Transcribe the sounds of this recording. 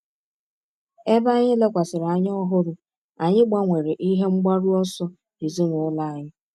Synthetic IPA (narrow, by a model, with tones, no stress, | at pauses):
e˦ba˦ɲɪ˦le˦kʷa˨sɪ˨ɾa˨ɲ˦ɔ˦ɦʊ˦ɾʊ˨ | a˨ɲɪ˦ɡ͡ba˦ŋʷe˨ɾe˨ʔi˦ɦe˦ŋ͡m̩˦ɡ͡ba˦ɾu˦ɔ˦sɔ˦ | i˨zi˦ŋʷʊ˨ʊ˦la˦a˨ɲɪ˦